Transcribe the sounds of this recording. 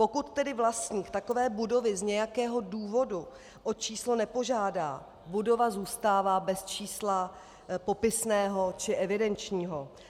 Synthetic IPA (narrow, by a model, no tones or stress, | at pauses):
po̞kut̪ːɛdɪvlast̪ɲiːkt̪ako̞vɛːbudo̞vɪzɲɛjakɛːɦo̞duːvo̞du | ʔot͡ʃiːslonɛpo̞ʒaːda̰ː | budo̞vazuːst̪aːvaːbɛst͡ʃiːsla | po̞pɪsnɛːɦo̞t͡ʃɪʔɛvɪdɛnt͡ʃɲiːɦo